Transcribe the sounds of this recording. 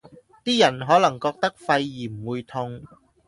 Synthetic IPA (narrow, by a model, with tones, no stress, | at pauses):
t̪iː˥jɐ˨˩nɦɔː˨˥lɐ˨˩ŋkɔː˧k̚t̪ɐ˥k̚fɐ˧jːiː˨˩m̩˨˩wuː˨˧jt̪ʰʊ˧ŋ